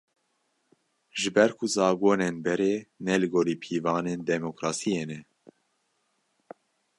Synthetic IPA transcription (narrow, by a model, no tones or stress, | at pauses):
ʒɨbɛɾkʰuzɑːɡoːnenbɛɾeːnɛlɨɡoːɾiːpʰiːvɑːnend̪ɛmokɾɑːsijeːnɛ